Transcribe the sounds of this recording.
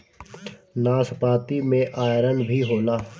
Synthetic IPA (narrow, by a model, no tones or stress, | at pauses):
naːspaːt̪imẽʔaːjɾənbʱiɦoːnaː